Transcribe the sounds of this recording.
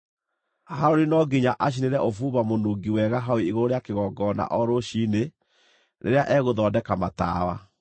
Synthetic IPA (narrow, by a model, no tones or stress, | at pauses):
haɾoɾenɔɡeɲaʔaɕ̬ineɾɛʔofuːβamonoːɡiwɛɣaɦaweiɣoɾoɾeakeɣɔːɡɔna̰ʔɔɾoɕiːne | nʔḛɾeaʔɛːɣoðɔːdɛkamata̰ːwa̰